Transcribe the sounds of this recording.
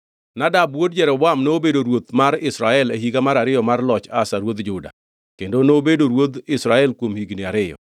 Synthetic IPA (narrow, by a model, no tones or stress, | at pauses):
nadabwod̚d͡ʒɛɾɔwamnoːbedoɾwot̪maɾɪsɾaɛleɦiɡamaɾaɾɪjɔmarlɔt͡ʃasaɾwod̪d͡ʒʊda̰ | kendonobedoɾwod̪ɪsɾaɛlkwomhiɡnɪaɾɪjɔ̰